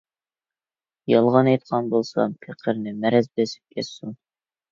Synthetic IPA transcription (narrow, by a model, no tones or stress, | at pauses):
jɑlˠʁɑnɛjt̪̚qʰɑnbolˠsɑ̰pʰeqʰəɾnɪmɛɾɛzbesɪ̥p̚kʲʰɛsun